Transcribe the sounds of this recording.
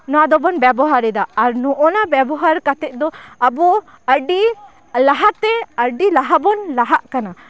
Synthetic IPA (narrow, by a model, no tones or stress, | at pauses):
nɔad̪ɔbɔnbabɔɦaɾid̪aːɾnɔʔɔnabjabɔɦaɾkat̪ɛʔ̚d̪ɔɐbɔ | ɐɾɖi | laɦat̪ɛ̃ɐɾɖilaɦabɔnlaɦaʔkana